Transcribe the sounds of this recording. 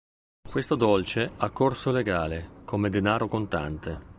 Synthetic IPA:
kwest̪od̪olt͡ʃeakːorsoleɡaːlekomed̪enaːɾokont̪a̰nt̪e

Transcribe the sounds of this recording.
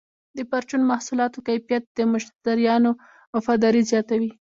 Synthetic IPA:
d̪əpaɾt͡ʃunmahsulɑt̪okajfijat̪̚d̪̥əmʊʃd̪aɾjɑno | mafɑd̪ɑɾizjɑt̪awi

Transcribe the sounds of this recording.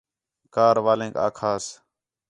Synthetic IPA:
kaːɾʋaːlẽːka̰ːkʰaːs

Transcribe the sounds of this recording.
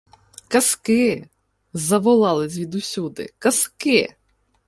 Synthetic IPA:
kɐskɪ | zɐʋɔlˠɑlˠɪsʲʋʲid̪ʊsʲud̪ɪ̰kɐskɪ

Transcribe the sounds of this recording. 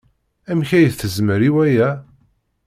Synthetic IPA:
æmçæjəθθəzməɾiwæjæ

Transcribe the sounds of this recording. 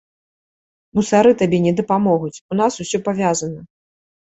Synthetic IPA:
musaɾɨt̪abʲɛnʲɛd̪ɐpamɔɣut͡sʲunasusʲɔpavʲazɐnɐ

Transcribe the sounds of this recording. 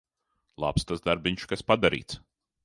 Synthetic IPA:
lˠa̰pst̪azd̪aɾbiɲʲt͡ʃkaspad̪aɾḭːt̪s

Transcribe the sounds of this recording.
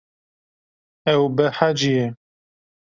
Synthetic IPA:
ɛwbəħad͡ʒijɛ

